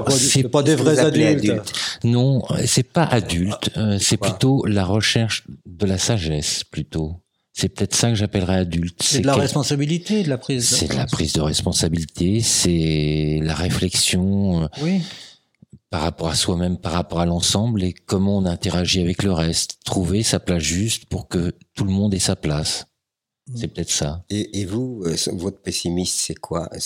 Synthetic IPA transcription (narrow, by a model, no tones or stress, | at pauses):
sɛpad̪evʁɛad̪ylt̪t̪nɔ̃ø̰sɛpaʔad̪ylt̪øsɛplyt̪olaʁəʃɛʁʃd̪əlasaʒɛsplyt̪o | sɛpə̥t̪ɛt̪χsakəʒapɛlʁɛad̪ylt̪sɛlaʁɛspɔ̃sabilit̪elaχizsɛ̰d̪əla̰pχizd̪əʁɛspɔ̃sabilit̪ʰesɛlaʁeflɛksjɔ̃øwi | paʁːapɔʁaswamɛmpaʁːapɔʁalɑ̃sɑ̃blekɔmɑ̃ɔ̃nɛ̃t̪eʁaʒiavɛkləʁɛst̪ːχuvesaplasʒyst̪puʁkət̪uləmɔ̃d̪ɛsaplas | sɛpø̥ət̪ɛt̪χsaeʔːvuøsvɔt̪χpesimist̪sɛkwa̰